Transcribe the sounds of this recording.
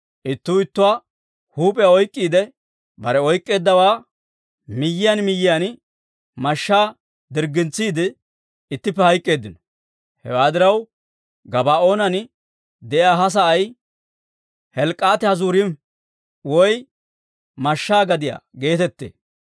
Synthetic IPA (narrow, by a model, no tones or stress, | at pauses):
ʔɪt̪ːʊɪt̪ːʊwaː | huːpʼɛjaɔjkʼːiːd̪ɛ | bɐɾɛɔjkʼːe̞ːd̪ːɐwaː | mɪjːɪjɐnmɪjːɪjan | mɐʃːaː | d̪ɪɾɡɪnt͡sːiːd̪ɪ | ɪt̪ːɪpːɛhɐjkʼːe̞ːd̪ːɪnɔ | hɛ̰waːd̪ɪɾɐw | ɡɐbaːo̞ːnɐn | d̪ɛʔjaːɦɐs̬ɐɐj | hɛlkʼːaːt̪ɛhɐzuːɾɪm | wɔj | mɐʃːaːɡɐd̪ɪja̰ɡe̞ːt̪ɛt̪ːḛː